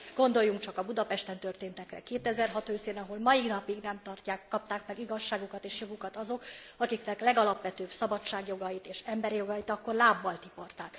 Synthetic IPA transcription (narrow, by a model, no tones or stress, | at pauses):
ɡ̥o̞nd̪o̞jːuŋkt͡ʃɒkɒbud̪ɒpɛʃt̪ɛnt̪ø̞rt̪eːnt̪ɛkrɛ̰keːt̪ɛzɛrɦɒt̪øːseːnɒɦo̞lmɒjiɡnɒpiɡnɛmt̪ɒrcaːkːɒp̚t̪aːkmɛɡiɡɒʃːaːɡukɒt̪eːʃjo̞ɡukɒt̪ɒzo̞kɒkiknɛklɛɡɒlɒpʋɛt̪øːbsɒbɒt͡ʃːaːɡjo̞ɡɒjit̪eːʃɛmbɛɾijo̞ɡɒjit̪ɒkːo̞rlaːbːɒlt̪ipo̞rt̪aːk